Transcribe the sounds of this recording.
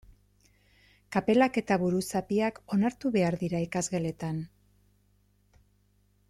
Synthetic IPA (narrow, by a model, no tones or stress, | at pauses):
kape̞lake̞t̪aβuɾusapiako̞naɾt̪uβe̞aɾðiɾaikazɣe̞le̞t̪an